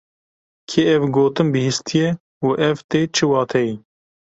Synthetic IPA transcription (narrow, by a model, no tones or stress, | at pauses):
kʰeːɛvɡoːt̪ɨmbɨhist̪ʰijɛ | uʔɛvt̪eːt͡ʃʰɨwɑːt̪ʰɛji